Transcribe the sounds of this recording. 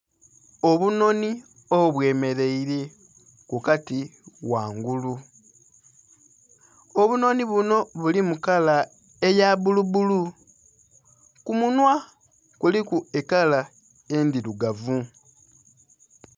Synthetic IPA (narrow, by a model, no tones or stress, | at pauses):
o̞βuno̞ni | oβwe̞ːme̞ɾe̞iɾe̞ | kukatiwaːŋɡulu | oβuno̞niβuno̞βulimukala | ejaβuluβulu | kumunwa | kulikue̞kala | endiɾuɡavu